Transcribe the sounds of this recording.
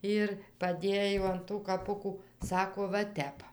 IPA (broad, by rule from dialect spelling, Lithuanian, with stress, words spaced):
ˈɪr pɐˈdʲeːjoː ɐn ˈtuː kɐˈpʊkuː ˈsɑːkoː ʋɐ ˈtʲɛp